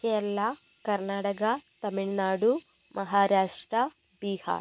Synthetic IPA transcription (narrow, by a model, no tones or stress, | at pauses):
eːlːa | kɐɾnaːʈɐkɐt̪ɐmiɭnaːɽu | mʔɐɦaːɾaːʂʈɾɐ | biːha̰ː